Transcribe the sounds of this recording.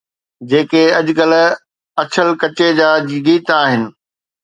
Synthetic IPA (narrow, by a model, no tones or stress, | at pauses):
d͡ʑeːkeɐʄkɐl̆ | ɐt͡ɕʰəlkɐt͡ɕed͡ʑaːɡiːt̪aːɦɪnɪ̆